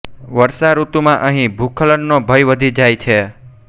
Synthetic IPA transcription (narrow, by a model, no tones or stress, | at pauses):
ʋəɾsaɾut̪umãʔəɦĩbʱukʰələnːobʱəjʋəd̪ʱid͡ʒajt͡ʃʰe